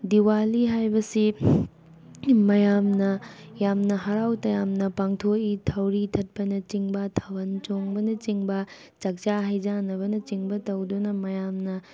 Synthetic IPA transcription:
diwaliɦajbɐsi | mɐjamnɐjamnɐɦɐɾawtɐjamnɐpaŋtʰoitʰɐwɾitʰɐt̚pɐnɐt͡ʃiŋbɐtʰawɐnt͡ʃoŋbɐnɐt͡ʃiŋbɐ | t͡ʃɐk̚t͡ʃaɦɐjd͡ʒanːɐβɐnɐt͡ʃiŋbɐtɐwdunɐmɐjamnɐ

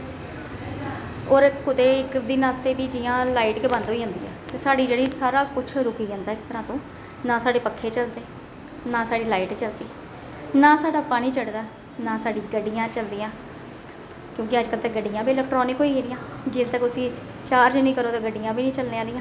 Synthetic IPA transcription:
oːɾkʊt̪eːɪkd̪iːnaːst̪eːbiːd͡ʒɪjãːlaːɪʈkeːbãnd̪oːiːɦõːnd̪ḭːɛ̰ːt̪eːsaːɖiːd͡ʒeːɽĩːsaːɾaːkʊt͡ʃʰɾʊkiːd͡ʒãːnd̪aːɪk̚t̪əɾãːt̪õː | nãːsaːɖeːpəkʰːeːt͡ʃəld̪eː | nãːsaːɖiːlaːiːʈt͡ʃəlt̪iː | nãːsaːɖaːpaːniːt͡ʃəɽd̪aː | naːsaːɖiːɡəɖːijãːt͡ʃəld̪iːãː | kjõːkɪəd͡ʒkət̪ɛɡəɖɪjãːbiːlɛk̚ʈɾɔːnɪkɦoːiːkeːɾɪjãːd͡ʒɪst̪əkʊsĩː | t͡ʃaːɾd͡ʒnĩːkəɾoːt̪aːɡəɖijãːbʱiːnĩːt͡ʃəlneːaːlɪ̃ːãː

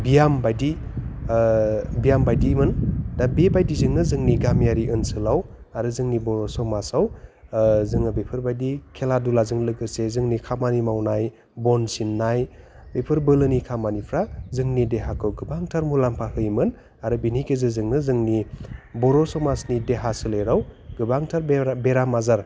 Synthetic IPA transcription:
bijambajdi | bijambajdimɯndabebajdizɯŋnɯzɯŋniɡamjaɾiʔɯnsɯlaw | aɾɯzɯŋnibɔɾɔsɔmasaw | zɯŋabepʰɯɾbajdikʰeladulazɯŋlɯɡɯsezɯŋnikʰamanimawnaj | bɔnsinːajbepʰɯɾbɯlɯnikʰamanipʰɾazɯŋnideɦakʰɯwɡɯbaŋtʰaɾmulampʰahɯjmɯn | aɾɯbinikʰezɯzɯŋnɯzɯŋnibɔɾɔsɔmasnideɦasɯleɾawɡ̥ɯbaŋtʰaɾbeɾamazaɾ

